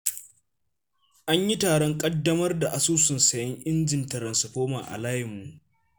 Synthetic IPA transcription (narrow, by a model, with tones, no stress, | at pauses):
ʔa˦ɲji˦taː˨ɽɔ˦ŋkʼɐ˦dːɐ˦mɐ˦rda˨ʔa˨suː˦sʊ˨nsɐ˨jɐ˦ŋʔɪ˦nd͡ʒɪ˨ntɐ˨ɾɐ˨nsɪ˨ɸoː˦ma̰ː˨ʔa̰˨laː˦jɪ˨mːu˨ʔ